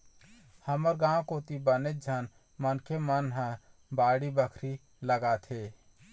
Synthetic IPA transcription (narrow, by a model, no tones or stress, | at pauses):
həməɾɡãwkoːt̪ibənet̪̚d͡ʒʱən | mənkʰemənɦə̃baːɽibəkʰɾi | ləɡat̪ʰeː